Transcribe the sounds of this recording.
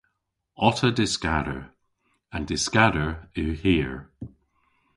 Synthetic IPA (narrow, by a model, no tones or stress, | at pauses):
ɔtʰədɪskaɾə̰ɹ | ãndɪskaɾəɹʉːhiːɹ